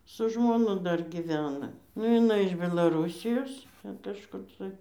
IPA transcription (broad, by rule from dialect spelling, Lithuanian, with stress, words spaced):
sʊ ʒmoːˈnʊ ˈdɐr ɡʲɪˈʋʲæːnɐ nʊ jɪˈnɐɪ ɪʃ bʲɛlˠɐˈruːsʲɪjoːs ˈtʲɛn kɐʃˈkʊr tɐɪ